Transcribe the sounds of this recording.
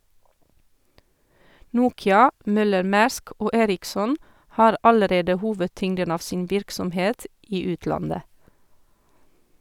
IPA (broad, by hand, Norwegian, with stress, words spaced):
ˈnuːkɪɑ ˈmœləɾˌmæːɾsk ˈoː ˈeːɾɪksɔn ˈhɑːɾ ˈɑləˌɾeːdə ˈhuːʋədˌtʏŋdən ˈɑːʋ ˈsiːn ˈʋɪɾksɔmˌheːt ˈiː ˈʉːtlɑndə